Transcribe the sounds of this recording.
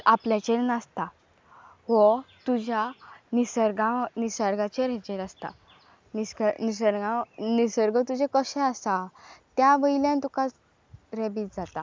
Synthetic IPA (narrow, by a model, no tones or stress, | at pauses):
apljãt͡ɕeɾnast̪a | ɦɔt̪ud͡ʑanisəɾɡãnisəɾɡat͡ɕeɾɛt͡ɕeɾast̪a̰ | niskənisəɾɡãnisəɾɡət̪ud͡ʑẽkəɕɛ̃asat̪jaʋəjljãnt̪uka | ɾɛbiːt͡sd͡zat̪a